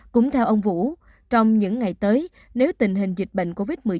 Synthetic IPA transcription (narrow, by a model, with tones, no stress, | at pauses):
kʊ̰˧˥ŋ͡mt̪ʰɛ˧wʔə˧wŋ͡mvṵ˧˥ | t͡ɕɔ˧wŋ͡mɲɨ̰˧˥ŋːa˨˩jt̪əː˨˦j | ne˨˦wt̪ï˨˩ŋ̟ɦï˨˩ŋ̟zi˨˩k̟̚ɓə̰˧˨ŋ̟ko˧vi˦˥t̚mɨ˨˩ə